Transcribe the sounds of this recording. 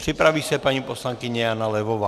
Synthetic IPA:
pr̥ipɾaʋiːsɛpaɲiːpɔslaŋkiɲɛjanalɛʋɔʋaː

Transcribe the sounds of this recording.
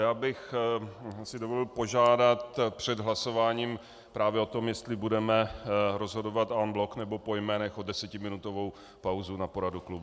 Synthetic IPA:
jaːbɪx | sɪdovolɪlpo̞ʒaːdat̪pr̥ɛdɦlaso̞vaːɲiːm | pɾʔaːvjɛo̞t̪o̞mjɛst̪lɪbudɛmɛɾo̞zɦo̞do̞vat̪ʔanblo̞knɛbo̞po̞jmɛːnɛxodɛsɛcɪmɪnut̪o̞vo̞w | pawzunapo̞ɾaduklub

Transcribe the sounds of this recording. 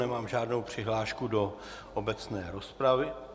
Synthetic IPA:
nɛmaːmʒaːdno̞wpr̝̥ɪɦlaːʃkudo̞ | ʔobɛt͡snɛːɾospɾavɪ

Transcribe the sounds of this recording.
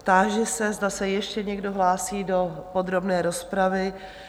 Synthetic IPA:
pt̪aːʒɛsɛzdasɛjɛʃcɛɲɛɡdo̞ɦlaːsiːdo̞po̞d̪ɾo̞bnɛːɾo̞spɾavɪ

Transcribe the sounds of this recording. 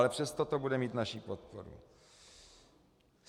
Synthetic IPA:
lɛpr̥ɛst̪ot̪obudɛmiːt̪naʃipot̪po̰ɾṵ

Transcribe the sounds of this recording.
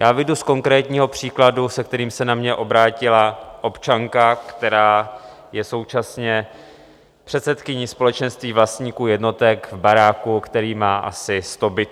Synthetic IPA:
jaːvɪdusko̞ŋkɾɛːt̪ɲiːɦo̞pr̝̥iːkladusɛk̚t̪ɛɾiːmsɛnamɲɛʔo̞bɾaːcɪlaʔo̞pt͡ʃaŋkakt̪ɛɾaː | jɛso̞wt͡ʃasɲɛ | pr̥ɛt̪sɛt̪kɪɲispo̞lɛt͡ʃɛnst̪viːvlast̪ɲiːkuːjɛdno̞t̪ɛkvbaɾaːkukt̪ɛɾiːmaːʔa̰sɪst̪o̞bɪ

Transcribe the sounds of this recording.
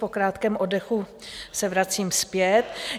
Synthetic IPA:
pokɾaːt̪kɛːmʔodɛxu | sɛvɾat͡siːmspjɛt̪

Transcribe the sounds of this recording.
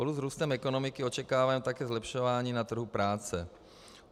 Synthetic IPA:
oluzɾuːst̪ɛmɛko̞no̞mɪkɪo̞t͡ʃɛkaːvaːmt̪akɛːzlɛpʃovaːɲiːnat̪r̩ɦupɾaːt͡sɛ

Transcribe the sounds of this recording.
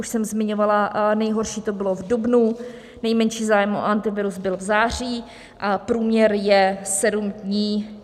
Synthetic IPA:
uʃsɛmzmɪɲovalanɛjɦo̞ɾʃiːt̪obɪlo̞vdubnu | nɛjmɛnʃiːzaːjɛmo̰ʔant̪ɪvɪɾuzbɪlvzaːr̝iː | ʔapɾuːmɲɛɾjɛsɛdumdɲiː

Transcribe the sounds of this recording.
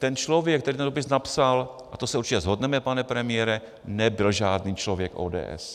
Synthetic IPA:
t̪ɛnt͡ʃlovjɛk̚t̪ɛɾiːt̪ɛndopɪsnapsal | ʔat̪osɛuɾt͡ʃɪcɛzɦo̞dnɛmɛpanɛpɾɛmɪjɛɾɛ | nɛbɪlʒaːdniːt͡ʃlo̞vjɛkʔo̰ːdɛ̰ːʔɛ̰s

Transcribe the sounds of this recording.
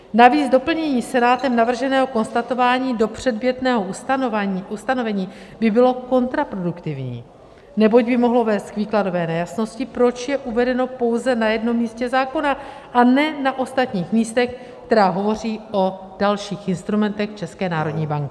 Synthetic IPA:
naviːd͡zdo̞pl̩ɲɛɲiːsɛnaːt̪ɛmnavr̩ʒɛnɛːɦo̞ko̞nst̪at̪o̞vaːɲiːdo̞pr̝̥ɛdbjɛt̪nɛːɦo | ust̪ano̞vɛɲiː | bɪbɪlo̞ko̞nt̪ɾapɾo̞dukt̪ɪvɲḭː | nɛbo̞ɟbɪmo̞ɦlo̞vɛːst̪̚kviːklado̞vɛːnɛjasno̞scɪpɾo̞t͡ʃjɛʔuvɛdɛno̞po̞wzɛnajɛdno̞mːiːscɛzaːko̞na | ʔanɛnaʔo̞st̪at̪ɲiːxmiːst̪ɛx | kt̪ɛɾaːɦo̞vo̞r̝iːʔo̞ | d̥alʃiːxʔɪnst̪ɾumɛnt̪ɛxt͡ʃɛskɛːnaːɾo̞dɲiːbaŋkɪ

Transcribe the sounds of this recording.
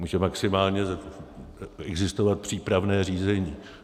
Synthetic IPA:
muːʒɛmaksɪmaːlɲɛz | ɛɡzɪst̪o̞vat̪̚pr̝̥iːpɾavnɛːriːzɛɲiː

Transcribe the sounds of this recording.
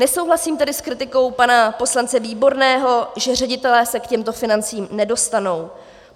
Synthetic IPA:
nɛso̞wɦlasiːmt̪ɛdɪskɾɪt̪ɪko̞wpanapo̞slant͡sɛviːbo̞ɾnɛːɦo̞ʒɛr̝ɛɟɪt̪ɛlɛːsɛkcɛmt̪o̞fɪnant͡siːmnɛdo̞st̪ano̞w

